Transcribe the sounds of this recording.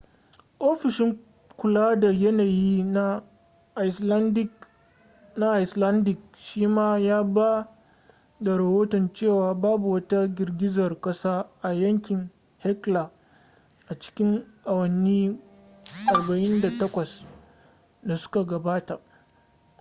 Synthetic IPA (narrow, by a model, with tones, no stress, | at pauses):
ʔoː˦ɸɪ˨ʃɪ˦ŋ | kʷʊ˨laː˦da˨jɐ˦naː˨jiː˦na˦ | ʔslndɪ˦ | na˦ʔa˨jsla˦ndɪ˨k̚ | ʃiː˦maː˦jaː˦ba˦ | da˨ɾɐ˨hoː˦tɔ˨nt͡ʃeː˦˨waː˨baː˦bu˨wɐ˦ta˦ɡʲɪ˨rɡʲɪ˦zɐ˨rkʼɐ˦saː˦ʔa˨jɐ˦ŋkʲɪ˨ŋ | hɛ˦kla˨ | ʔa˨t͡ʃɪ̥˦kʲɪ˦ŋʔa˨wɐ˨nːiː˦ | ʔa˨ɾbɐ˨ʔɪ˦nda˨tɐ˦kʷɐ˨s | da˨sʊ̥˦ka˨ɡɐ˨baː˦ta˨ʔ